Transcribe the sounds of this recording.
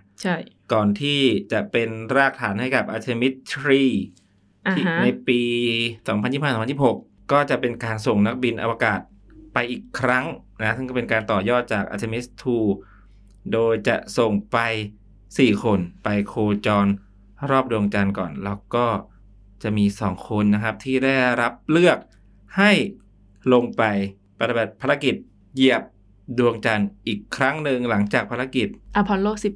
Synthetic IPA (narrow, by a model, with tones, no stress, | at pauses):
t͡ɕʰa˥˩ | kɔː˨˩nt̪ʰiː˥˩t͡ɕa˨˩ʔpe˧nɾaː˥˩k̚t̪ʰaː˩˦nha˥˩jka˨˩p̚ʔaː˧t̪ʰeː˧mi˦˥t̪ʰɾiː˥˩ | i˥na˧jpiː˧sɔː˩˦ŋpʰnji˥˩pha˥˩˨mʰ˧a˧˩pho˨˩k̚ | kɔː˥˩t͡ɕa˨˩ʔpe˧nkaː˧nso˨˩ŋna˦˥k̚bi˧nʔa̰˧waː˧kaː˨˩t̪̚ | pa˧jʔiː˨˩kʰːɾa˦˥ŋna˦˥sɯ˥˩ŋkɔ˥˩e˧nkaː˧nt̪ɔː˨˩jɔː˥˩t̪̚t͡ɕaː˨˩k̚ʔa̰ː˧t̪ʰeː˧mi˦˥st̪ʰuː˧ | doː˧jt͡ɕa̰˨˩ʔso˨˩ŋpa˧j | siː˨˩kʰo˧npa˧jkʰoː˧t͡ɕɔː˧n | ɾɔː˥˩p̚du˧əŋt͡ɕa˧nkɔː˨˩nlɛː˦˧˥wkɔː˥˩ | t͡ɕa˨˩ʔmiː˧sɔː˩˦ŋkʰo˧nːa˦˥kʰa˦˥p̚t̪ʰiː˥˩daː˥˩jɾa˦˥p̚lɯ˥˩ək̚ | ha˥˩j | lo˧ŋpa˧j | pʰa˧b̚pʰaː˧ɾa˦˥ki˨˩t̪̚ | ji˨˩əp̚ | du˧əŋt͡ɕa˧nʔiː˨˩kʰːɾa˦˥ŋnɯ˧ŋla˩˦ŋt͡ɕaː˨˩k̚pʰaː˧ɾa˧˥ki˨˩t̪̚ʔa˧pʰɔː˧nloː˥˩k̚si˨˩p̚